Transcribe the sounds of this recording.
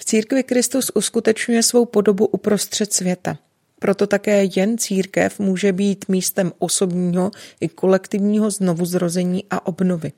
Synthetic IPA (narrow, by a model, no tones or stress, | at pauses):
ft͡siːɾkvɪkɾɪst̪usʔuskut̪ɛt͡ʃɲujɛsvo̞wpo̞do̞buʔupɾo̞st̪r̝̥ɛt̪svjɛt̪a | pɾo̞t̪o̞t̪akɛːjɛnt͡siːɾkɛ̰fmuːʒɛbiːt̪miːst̪ɛmʔo̞so̞bɲiːɦo̞ʔɪko̞lɛkt̪ɪvɲiːɦo̞zno̞vuzɾo̞zɛɲiːʔaʔo̞bno̞vɪ